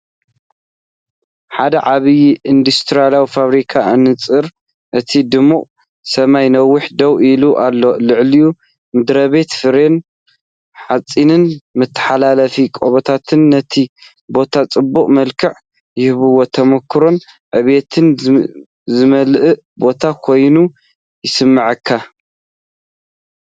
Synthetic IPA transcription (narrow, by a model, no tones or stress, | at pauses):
ħad̪ɐʕaβijind̪ust̪ʰɨɾijalawifaβɾikʰaɨnɨt͡sʼɨɾ | ʔɨt̪ʰid̪ɨmːuʔʼ | sɐmajnɐwːʊħd̪ɐwiluʔalːo̞lɨʕliju | mɨd̪ɾɐβe̞t̪fɨɾe̞n | ħat͡sʼːinɨnmɨt̪ʰːɨ̥ħalalɐfikʼoβɐt̪ʰat̪ʰɨnːɐt̪ʰi | bo̞t̪ʰat͡sʼɨbːuqʼmɐlkʰɨʕ | jɪhβɨwot̪ʰɐmɐkʰːɨɾon | ʕɨβe̞t̪ʰɨn | zɨmɐlʔɨ | bo̞t̪ʰakʰo̞jnu | jɪsɨmːɨʕɨkʰːa